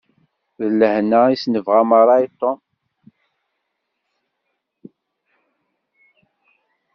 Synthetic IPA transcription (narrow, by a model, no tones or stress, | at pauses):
ðəlːəhnaisnəvʁaməɾˤɑit̪ːo